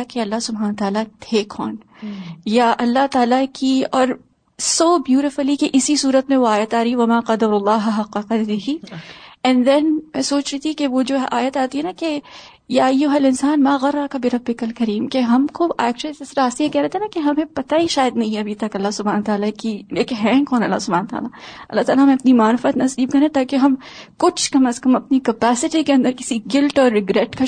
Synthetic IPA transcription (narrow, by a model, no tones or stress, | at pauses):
akeɐlːasʊbʱɦaːnt̪aːlat̪ʰeːkʰɔːn | jaʔɐlːaɦt̪aːlakiɔːɾ | soːbjuːɾɪfʊlikeʔɪsisuːɾət̪mẽʋoaːjət̪aːɾɐɦiʋɐmaːqɐd̪ɐɾʊlːɑːɦɐɦɐqːɐqɐd̪ɾɪɦi | ɛ̃nd̪ɛ̃nmɛ̃soːt͡ʃɾit̪ʰikeʋod͡ʒoːʔaːjət̪aːt̪iɦɛnake | jaːjʊɦɐlɪ̃nsaːnmaːɣɐɾːakabiɾɐbːɪkɐlkɐɾiːmkeɦɐmkoʔɛ̰ːk̚t͡ʃʊəlisesɾaːst̪iɦekɛɾaːt̪ʰenakeɦɐmẽpɐt̪aiʃaːjəd̪nɐɦĩɐbʱit̪ɐkɐlːasʊbʱaːnt̪aːlakieːkɦɛ̃ːkɦoːnɐ̰lːa̰sʊbʱaːnt̪a̰ːlaɐ̰lːaɦt̪aːlaɦɐmẽɐpnimaːɾɪfət̪nɐsiːb̚kɐɾẽt̪aːkeɦɐ̃mkʊt͡ʃʰkɐməskɐmɐpnikɐpɛːsɪʈikeɐ̃nd̪əɾkɪ̥siɡɪlʈɔːɾːɪɡɾɛʈka